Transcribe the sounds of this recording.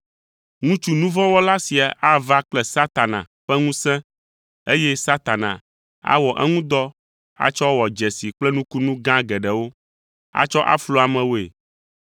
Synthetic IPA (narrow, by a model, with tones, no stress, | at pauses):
ŋũ˦t͡ʃu˦nũ˦vɔ̃˦wɔ˦la˦si˨a˨ʔa˦va˦k͡plɛ˨sa˦t̪a˨nã̰˨ɸɛ˦ŋũ˦sɛ̃˦ | e˦jɛ˦sa˦t̪a˨nã̰˨ | a̰˦wɔ˨ʔɛ˦ŋũ˦d̪ɔ˦ | a̰˦t͡ʃɔ˦wɔ˨d͡ʒɛ˨si˨k͡plɛ˦nũ˦ku˦nũ˦ɡã˦ɡɛ˨ɖɛ˨wo˦ | a̰˦t͡ʃɔ˦ʔa̰˦flo˦a˨mɛ̃˨wo˦ḛ˨